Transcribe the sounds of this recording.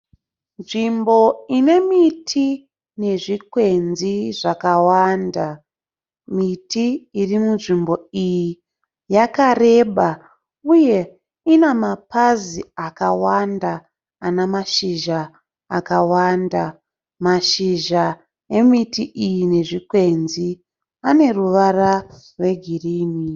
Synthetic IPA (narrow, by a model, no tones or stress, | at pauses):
nʐimbo̞ine̞mitʰi | ne̞ʐikwe̞nziʐakawanda | mitiːrimunʐimbo̞iji | jakare̞ːɓa | uje̞ | inamapaziakawandaː | namaʃiʒaː | kawanda | maʃiʒa | e̞mitiʔijine̞ʐikwe̞nzi | ane̞ruʋara | rwe̞ɡʱiriːni